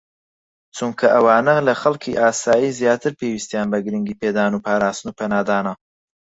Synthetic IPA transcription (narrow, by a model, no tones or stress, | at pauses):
t͡suŋkʰɐʔɐwɑːnɐɣlɐxɐlkʰiʔaːsaːjizjɑːt̪ʰəɾpeːwist̪jaːnbɐɡɾiŋɡipeːd̪ɑːnupɑːɾaːst̪nupʰenaːd̪aːnɐ